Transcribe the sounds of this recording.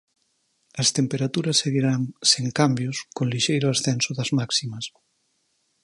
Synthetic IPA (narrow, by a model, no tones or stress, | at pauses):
ɐst̪empeɾat̪uɾɐsːeɣiɾaŋseŋkambjoskonliʃejɾoasθɛnsoðɐzmaksimɐs